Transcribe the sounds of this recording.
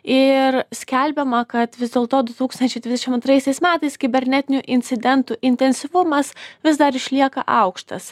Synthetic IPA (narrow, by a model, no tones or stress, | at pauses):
ɪɾsʲkʲɛlʲbʲɛmɐkɐt̪ʋʲɪzd̪ʲeːlˠt̪oːd̪ʊt̪uːkst̪ɐnʲt͡ʃʲɛɪd̪ʲʋʲɪzd̪ʲɛʃʲɪmɐnt̪ɾɐɪsʲɛɪsmʲæːt̪ɐɪskʲɪbʲɛɾʲnʲɛt̪ʲɪnʲʊʔɪnʲt̪sʲɪd̪ʲɛnt̪uʔɪnʲt̪ʲɛnʲsʲɪʋʊmɐsʋʲɪzd̪ɐɾɪʃʲlʲiɛkɐ̰ʔɐʊkʃt̪ɐs